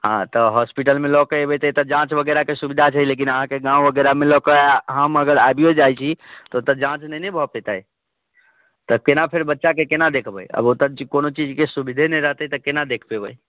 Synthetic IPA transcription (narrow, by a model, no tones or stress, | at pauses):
ɦã̰t̪əɦɔspiʈəlmelɔkəebət̪ət̪ɔd͡ʒãt͡ʃbəɡɛɾakesubid̪ʱat͡ʃʰəilek̬inəɦãkeɡãwbəɡɛɾamelɔkəɦaməɡəɾabijod͡ʒajt͡ʃʰit̪ɔot̪əɾd͡ʒãt͡ʃnɛnɛbʱɔpet̪əj | t̪ɔkenapʰeɾbətːʃakekenad̪ekʰbə̰jə̰bot̪əɾd͡ʒikonot͡ʃid͡ʒkesubid̪ʱenəɾəɦt̪ət̪ɔkenad̪ekʰbebəj